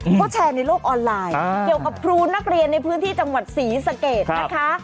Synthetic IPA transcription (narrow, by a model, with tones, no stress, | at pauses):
kʰɔː˦˥˩t͡ɕʰɛː˧na˧jloː˥˩k̚ʔɔː˧nlaː˧jki˨˩əwka˨˩p̚pʰɾuː˧na˦˥k̚ɾi˧ənːa˧jpʰɯː˦˥nt̪ʰiː˥˩t͡ɕa˧ŋwa˨˩t̪̚siː˩˦sa˧keː˨˩t̪na˦˧˩kʰa˦˥ʔ